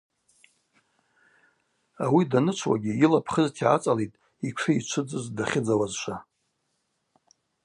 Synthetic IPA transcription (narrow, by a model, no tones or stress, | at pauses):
awidanɨt͡ʃʷʰwa̰ɡʲiilapʰχəztʰiat͡sʼalejtʼ | ikʷʰɨit͡ʃʷʰɨd͡zɨzdaχʲɪd͡zawazʃʷa